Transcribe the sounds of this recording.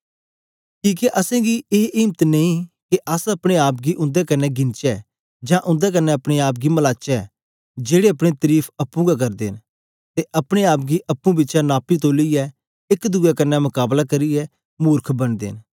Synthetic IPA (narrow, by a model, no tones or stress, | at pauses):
kiːkeʔɐsɛ̃ɡieːʔɪːmt̪nẽĩkeʔəsɐpɽ̃eaːp̚ɡiʔʊ̃nd̪ɛkɐnːɛɡɪ̃nt͡ʃɛ | d͡ʒãːʔʊ̃nd̪ɛk̬ɐnːɛɐpɽ̃eaːp̬̚ɡimɐlaːt͡ʃɛ | d͡ʒeːɽeɐpɽ̃et̪əɾiːpʰɐpːũɡak̬ɐɾd̪ḛːn | t̪eʔɐpɽ̃eaːp̚ɡiʔɐpːũbɪtːʃanaːpːit̪oːliɛ | ɪkd̪ʊɡɛkɐnːɛmʊkaːblakɐɾiɛ | muːɾkʰbɐnd̪ḛːn